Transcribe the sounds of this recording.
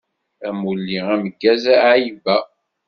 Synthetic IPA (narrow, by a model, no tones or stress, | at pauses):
æmulːiæməɡːæzæajibæ